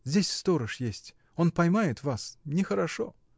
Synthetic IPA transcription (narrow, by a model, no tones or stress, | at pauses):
zʲdʲesʲfst̪o̞ɾəʂjesʲtʲ | o̞npɐjmajɪt̪vasnʲɪxəɾɐʂo